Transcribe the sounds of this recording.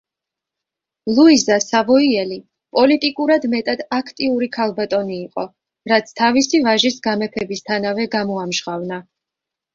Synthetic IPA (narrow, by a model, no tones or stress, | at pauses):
lˠuizasavɔiɛli | pʼɔlit̪ʼikʼuɾad̪mɛt̪ʼad̪̥akʰt̪ʼiuɾikʰalˠbat̪ʼɔniːqʼɔ | ɾat̪sʰt̪ʰavisivaʒisɡamɛpʰɛbist̪ʰanavɛɡamɔamʒʁavna